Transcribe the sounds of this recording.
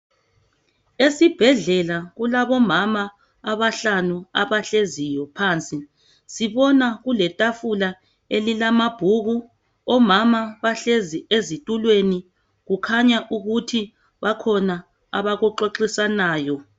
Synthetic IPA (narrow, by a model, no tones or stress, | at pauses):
esib̥ʱɛɮɛlaɣulaβɔmama | aβaɬanuaβaɬezijɔpʰaːnt͡sʼi | siβɔnaɣulɛtʼafula | elilamab̥ʱuɣu | ɔmamaβaɬeziezitʼulweni | ɣukʰaɲaʔuɣutʰi | βakʰɔna | a̰βaɣuǃoǃisanaːjɔ